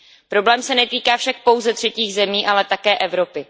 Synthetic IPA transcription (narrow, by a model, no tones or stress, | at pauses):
pɾo̞blɛːmsɛnɛt̪iːkaːfʃak̚po̞wzɛt̪r̝̥ɛciːɣzɛmiːʔalɛt̪akɛːʔɛvɾo̞pɪ